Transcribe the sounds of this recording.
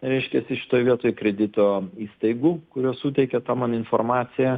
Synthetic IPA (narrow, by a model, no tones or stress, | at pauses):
ɾʲɛɪʃʲkʲɛsʲɪʃʲɪ̥t̪oːjʋʲiɛt̪oːjkɾʲɛd̪ʲɪt̪oːiːst̪ɐɪɡuːkʊɾʲuɔsuːt̪ʲɛɪkʲɛt̪ɑːmɑːnɪnformɑːsʲɪjɛ